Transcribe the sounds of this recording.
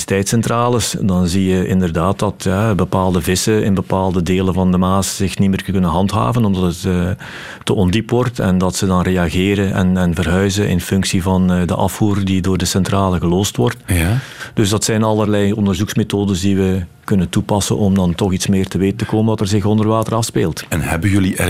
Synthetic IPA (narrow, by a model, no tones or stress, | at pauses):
tɛjtsɛntraːlɪsdɑnzijəɪ̰ndərdaːtdɑtjabəpaːlˠdəvɪsəɪnbəpaːlˠdədeːləvɑndəmaːsz̥ɪxnimɪːrkɵnənɦɑntɦa̰ːvənɔmdɑtətəː | əʔɔndipwʋɔrtʰɛ̰ndɑtsədɑnreːɑɣeːɾənʔɛ̰nɛnvərɦœɥzənʔɪ̰nfʏŋksivɑnːdə̰ʔɑfuːrdidoːrdəsɛntraːləɣəlɔːstʋɔrt | d̥ɵzdɑtsɛjnɑlərlɛjɔndərzuksmetoːdəzdiʋəkɵnəntupɑsə̰nʔɔmdɑntɔxitsmɪːrtəʋeːtəntəkoːməndɑtɛrzɪxɔndərʋaːtərɑfspeːlˠtɛnɦɛbəjɵliɛ